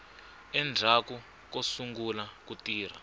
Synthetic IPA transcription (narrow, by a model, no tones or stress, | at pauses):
ɛnd͡zʱaku | kosuŋɡulakutiːr̤a